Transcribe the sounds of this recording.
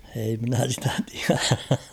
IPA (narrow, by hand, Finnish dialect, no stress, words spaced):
ei minæ sitæ tiæræ